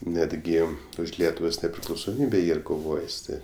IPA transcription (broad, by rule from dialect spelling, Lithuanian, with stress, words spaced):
ˈnʲæːdʲɡʲɪ ʊʃ ˈlʲiɛtʊʋoːs nʲɛpʲrʲɪklˠɐʊsoːˈmʲiːbʲeː ˈiːr koːˈʋoːjɪs ˈtʲɪ